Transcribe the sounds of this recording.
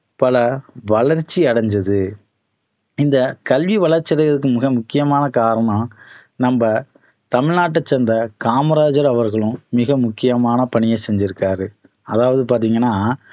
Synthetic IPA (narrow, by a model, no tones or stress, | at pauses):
pɐlɐʋɐɭɐɾt͡ʃːiɐɽɐɲd͡ʒɐðɯ | ɪnd̪ɐkɐlʋiʋɐɭɐɾt͡ʃːɪɾɐɐðɯkːɯmɪɣɐmʊkːɪjɐmaːnɐkaːɾɐɳɐ̃nɐmbɐ | t̪ɐmɪɻnaːʈ̬ːɐt͡ʃːɛnd̪ɐkaːmɐɾaːd͡ʒɐɾɐʋɐɾɣɐɭɯ̃mɪɣɐmʊkːɪjɐmaːnɐpɐɳɪjɐsɛɲd͡ʒɪɾɯkːaːɾɯ | ɐðaːʋɐðɯpaːɾt̪iːŋɡɐnːaː